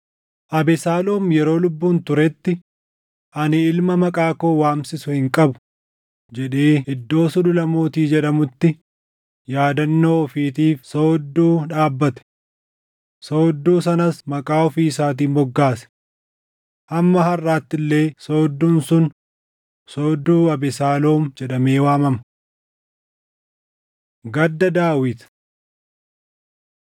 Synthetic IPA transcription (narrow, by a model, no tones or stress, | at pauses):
ʔɐbɛsaːloːmjɛɾo̞ːlʊbːuːnt̪ʊɾɛt̪ːɪ | ʔɐnɪɪlmɐmɐkʼaːkoːwaːmsɪsʊhɪŋkʼɐbʊ̥ | d͡ʒɛᶑeːɪd̪ːo̞ːsʊᶑʊlɐmoːt̪iːd͡ʒɛᶑɐmʊt̪ːɪ | jaːd̪ɐnːoːɔfiːt̪iːfsoːd̪ːuːᶑaːbːɐt̪ɛ̥ | so̞ːd̪ːuːs̬ɐnɐsmɐkʼaːɔfiːɪsaːt̪̬iːbɔɡːaːsɛ̥ | hɐmːɐɦɐrːaːt̪ːɪlːe̞ːsoːd̪ːuːnsʊn | soːd̪ːuːɐbɪsaːlo̞ːmd͡ʒɛᶑɐme̞ːwaːmɐmɐ̥ | ɡɐd̪ːɐd̪aːwɪt̪